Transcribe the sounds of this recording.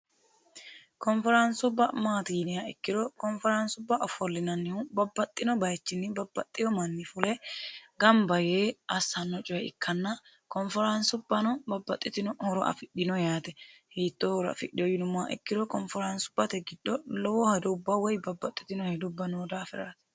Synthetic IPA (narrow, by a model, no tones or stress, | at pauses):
kɔnfɛɾɐnsʊbːɐmaːt̪iːnɪjaɛkːɪd̪ɔkɔnfɛɾɐnsʊbːɐʔɔfɔlːɪnɐnːɪhʊbɐbːɐt̪ʼːɪnɔbɐjt͡ʃːɪnːɪbɐbːɐt̪ʼːɪjɔmɐnːɪfʊlɛɡɐmbɐjeːɐsɐnːɔt͡ʃʼʊɐɪ̰kʰːɐnːɐ | kɔnfɛɾɐnsʊbːɐnɔbɐbːɐt̪ʼːɪt̪ɪnɔhɔɾɔ̰ʔɐ̰fɪɗɪnɔjaːt̪ɛhiːt̪ːɔɔɾɐ̰fɪ̰ɗɪjɔjɪnʊmaʔɛ̰kːɪd̪ɔkɔnfɛɾɐnsʊ̥b̥ːɐt̪ɛɡɪd̪ːɔlɔwɔhɛd̪ɔʊbːɐwɔjbɐbːɐt̪ʼːɪ̥t̪ɪnɔhɛd̪ʊbːɐnoːd̪aːfɪɾɐ̰ɾɐt̪ɛ̥